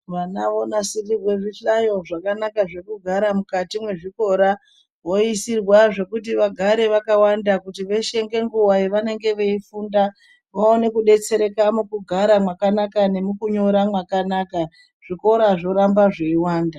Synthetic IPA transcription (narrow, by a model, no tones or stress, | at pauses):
ʋanao̞nasirirwe̞ʐiɬajo̞ʐakanakaʐe̞kuɡʱaɾamukatimwe̞ʐiko̞ɾa | ʋo̞isirwaʐe̞kut̬iʋaɡʱaɾe̞ʋakawandakutiʋe̞ʃe̞ŋɡe̞ŋɡuwaiʋane̞ŋɡe̞ʋe̞ifuːnda | ʋaone̞kuɗe̞t͡se̞ɾe̞kamukuɡʱaɾamwakanakane̞mukuɲo̞ɾamwakanaka | ʐ̥iko̞ɾaʐo̞ɾambaʐeiwaːnda